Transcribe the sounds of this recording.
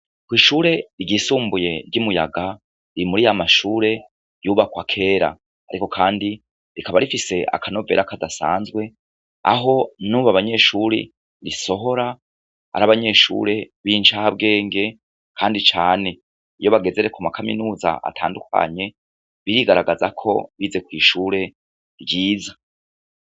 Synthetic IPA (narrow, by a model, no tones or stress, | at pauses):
kwiːʃuːɾe̞iɟisuːmbuje̞ɾɟumuja̰ɡa | ɾiimuɾijamaʃuːɾe̞ | juːβakwakʰe̞ːɾa̰ | aɾiko̞kʰaːndi | ɾikaβaɾifise̞a̰kano̞ve̞̰ɾakadasa̰ːnzɡwe̞ | a̰ɦo̞nuβaβaɲe̞ːʃuːɾḭ | ɾiso̞ɦo̞ɾa | a̰ɾaβaɲe̞ʃṵːɾe̞βiːnt͡ʃahab̚ɡe̞ːŋɡe̞ | kʰaːndit͡ʃaːne̞ | ijo̞βaɡe̞ze̞ɾe̞kumakʰamḭnuːza̰ʔa̰tʰaːndukʰa̰ɲe | βiɾiɡaɾaɡazakʰo̞̰βize̞kwiːʃuːɾe̞ | ɾjiːza